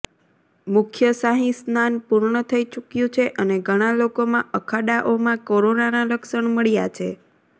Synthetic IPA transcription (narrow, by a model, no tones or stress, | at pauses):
mʊkʰjəsaɦĩsnanpuɾɳət̪ʰəit͡ʃukjũt͡ʃʰeʔəneɡʱəɽ̃alokomãʔəkʰaɖaʔomãkoɾonanaləkʃəɳməɭjat͡ʃʰe